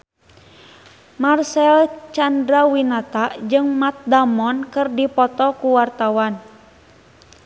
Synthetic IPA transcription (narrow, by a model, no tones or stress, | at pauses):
marsɛlt͡ʃandɾawinat̪aʔd͡ʒɨŋmat̪̚damɔnkɨrdipɔt̪ɔkuwart̪awan